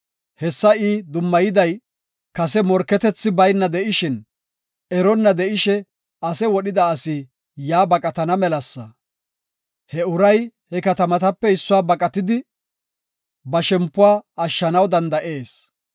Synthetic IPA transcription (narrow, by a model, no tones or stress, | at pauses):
hɛsːɐiːd̪ʊmːɐjɪd̪ɐj | kɐsɛmɔɾkːɛt̪ɛt͡sːɪbɐjnːɐd̪ɛʔɪʃɪn | ɛɾɔnːɐd̪ɛʔɪʃɛ | ɐsɛwɔɗɪd̪ɐːsi | jaːbɐkʼɐt̪ɐnɐmɛlɐsːɐ̰ | hɛʊɾɐjhɛkɐt̪ɐmɐt̪ɐpːɛɪsːʊwaːbɐkʼɐt̪ɪd̪ɪ | bɐʃɛmpːʊwaːɐʃːɐnɐwd̪ɐnd̪ɐʔe̞ːs